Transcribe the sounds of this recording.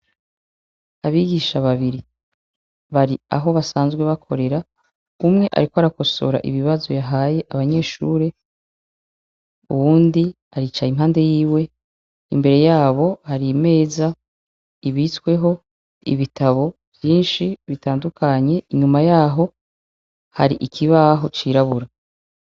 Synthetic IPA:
aβiɡiʃaβaβiɾi | βaɾia̰ɦo̞βasaːnzɡwe̞βakʰo̞̰ɾe̞ɾa | umŋe̞ʔa̰ɾikoaɾako̞so̞̰ɾa̰ʔḭβiβazo̞jaɦaːje̞ʔaβaɲe̞ːʃṵːɾe̞ | uβuːndi | aɾit͡ʃaim̥ɦaːnde̞jiːwe̞ | imbe̞ɾe̞jaːβo̞haɾime̞ːza | iβit͡swe̞ɦo̞ | ḭβitaβo̞ | v̥jiːnʃiβitaːndukʰaɲe̞ʔiɲumajaːɦo̞ | ha̰ɾiʔikʰiβaɦo̞t͡ʃiːɾaβuɾa

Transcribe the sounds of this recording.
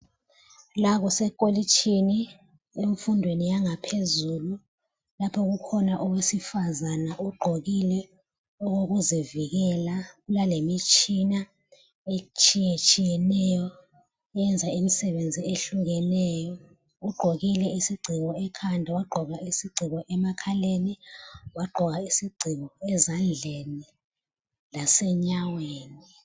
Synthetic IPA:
laɣɔsɛkʼolit͡ʃʰʼini | eɱfundʱwenijaŋapʰezulu | lapʰɔɣukʰɔnaʔɔwesifazanaʔuɡ͡ǃʱoɣilɛ | ɔɣoɣuziviɣɛlaɣulalemit͡ʃʼina | et͡ʃʰʼijet͡ʃʼijɛnɛjɔ | jɛnd͡zʱaimisɛβend͡zʱieɬuŋɣɛnɛːjɔ | uɡ͡ǃʱoɣilɛisiɡ͡ǀʱiɣɔɛkʰandʱawaɡ͡ǃʱɔɣaʔisiɡ͡ǀʱiɣɔʔɛmakʰaleniwaɡ͡ǃʱɔɣaisiɡ͡ǀʱiɣɔɛzand͡ɮʱeni | lasɛɲaweːni

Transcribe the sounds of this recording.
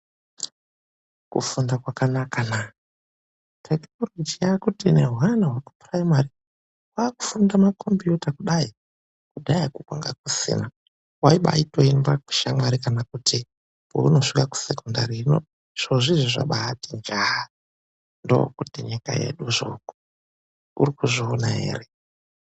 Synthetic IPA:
kufundakwakanakana | tʰeknolod͡ʒijakutineɦuɦanaɦwaku̥praimari | waːku̥fundamakʰo̞mpjutakuɗai | kudʱaakukwaŋɡa̰k̚usḭna | waiɓa̰itoinbaku̥ʃamwaɾikanakuti | ouno̞ʂikaku̥sekundarino | ʐ̥oʐiʐiʐa̰ɓaːtind͡ʒaa | ndo̰o̰kutiɲika̰je̞̰ɗuʐo̰ku̥ | ṵrikuʐionajḛːre

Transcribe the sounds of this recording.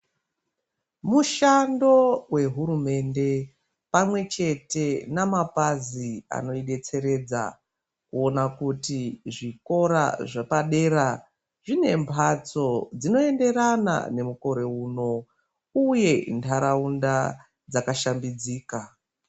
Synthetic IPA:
muʃando̞we̞ɦuɾume̞nde̞ | pamwe̞t͡ʃe̞te̞namapazia̰no̞iɗe̞t͡se̞ɾe̞d͡za̰ | kuo̞nakutiʐiko̞ɾa̰ʐepaɗe̞ɾa | ʐine̞mpʰat͡so̞d͡zino̞e̞nde̞ɾana̰ne̞muko̞ɾe̞uno̞ | uje̞ntʰaɾaunda | d͡zakaʃambid͡ziːka

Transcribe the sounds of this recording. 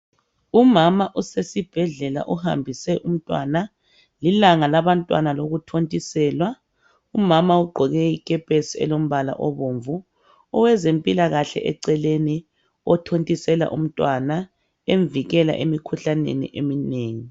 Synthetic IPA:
umamaʔusesib̥ʱɛɮɛla̰ʔuha̰mbʱisɛʔum̩tʼwana | lilaŋalaβantʼwa̰naloɣutʰontʼisɛːlwa | umamauɡ͡ǃʱɔɣɛikʼɛpʼesiɛ̰lom̩βala̰ʔɔβoɱvu | ɔwɛzempʼilaɣaɬɛ̰ʔɛǀɛleni | ɔtʰontʼisɛla̰ʔṵm̩tʼwana | eɱviɣɛla̰ʔemikʰuɬanḛnḭʔemineːŋi

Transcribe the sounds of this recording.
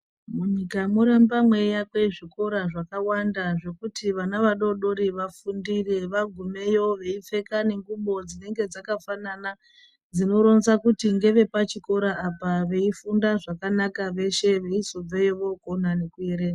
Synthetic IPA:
muɲikamuɾambamwejakwe̞ʐiko̞ɾaʐakawandaʐe̞kutʰiʋanaʋaɗo̞ɗo̞ɾiʋafundire̞ʋaɡʱume̞jo̞ʋe̞ip͡fe̞kane̞ŋɡuɓo̞d͡zine̞ŋɡe̞d͡zakafanana | d͡zino̞ɾo̞nsakutiŋɡe̞ʋe̞pat͡ʃiko̞ɾaːpaʋe̞ifundaʐakanakaʋe̞ʃe̞ʋe̞isob͡vejoʋo̞konane̞kue̞ɾe̞ːna

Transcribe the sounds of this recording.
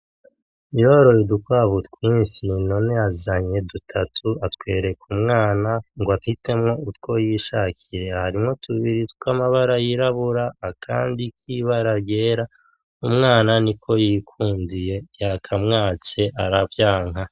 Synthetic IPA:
ijo̞ːɾo̞jedukwaːβutkwiːnʃinino̞neazaɲe̞dutʰatʰuatkwe̞ːɾe̞kumŋaːnaŋɡoathite̞mŋo̞utko̞jiʃaːkʰiɾe̞haɾimŋo̞tʰuβiɾitkamaβaɾajiɾaβuɾaːkʰa̰ːndikʰiβaɾaɡe̞ːɾa | umŋaːnanikʰo̞jiːkʰuːndije̞jakʰamŋaːt͡ʃe̞ʔaɾavjaːŋɦa

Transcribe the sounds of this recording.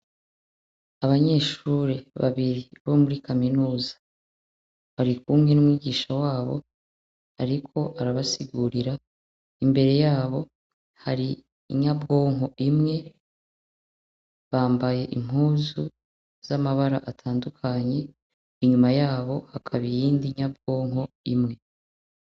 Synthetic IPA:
aβaɲe̞ːʃuɾeβa̰βiɾiβomuɾikaminuːzḁ | βaɾikuːmɲe̞numŋiːɡiːʃawaːβo̞̰ | aɾikʰo̞ʔaɾaβasiɡuɾiɾa | imbe̞ɾe̞jaːβo̞ | haɾiː | ɲabɡo̞ːŋ̥ɦo̞ʔimŋe̞ | βaːmbaje̞ʔim̥ɦuːzu | z̥amaβaɾaʔatʰaːndukʰaɲe̞ | iɲumajaːβo̞hakʰaβijiːndiɲab̚ɡo̞ːŋɦo̞ | imŋe̞

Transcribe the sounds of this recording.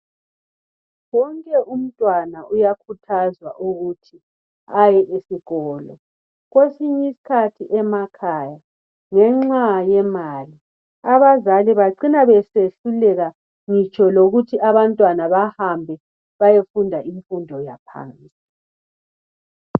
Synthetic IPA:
wɔŋkʼɛʔum̩tʼwanaujakʰutʰazwa̰ʔuɣutʰi | ajɛʔesiɣɔːlɔ̰ | ɣwesiɲisi̥kʰatʰiʔɛmakʰaːja | ŋɛŋ͡ǁajɛmali | aβazaliβaǀinaβɛseɬulɛɣa | ŋit͡ʃʼʰɔloɣutʰiaβantʼwanaβahambʱɛ | βajefundʱaʔiɱfundʱɔjapʰa̰ːnt͡sʼi

